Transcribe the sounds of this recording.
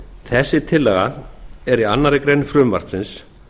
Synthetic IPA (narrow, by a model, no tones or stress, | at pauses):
θɛsːɪt̪ʰɪlːɛɣaɛɾianːaɾɪkɾejnʏfɾʏːmva̰r̥k̪sɪns